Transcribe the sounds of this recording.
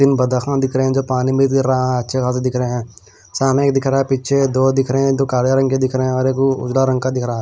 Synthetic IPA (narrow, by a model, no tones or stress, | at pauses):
d̪ɪnbəd̪axãd̪ɪkʰɾəɦɛ̃d͡ʒopaːnimɪɾaaɦɛ̃ətːʃʰekʰaːs̬ed̪ɪkʰɾəeɦɛ̃ː | saːnẽeːk̚d̪ɪkʰɾaːɦɛpiːtːʃʰed̪oːd̪ɪkʰɾeɦɛ̃d̪oːkaːɾjaɾə̃ŋked̪ɪkʰɾəɦɛ̃ɔːɾeːkʊ̰d͡ʒlaɾə̃ŋɡkad̪ɪkʰɾaɦ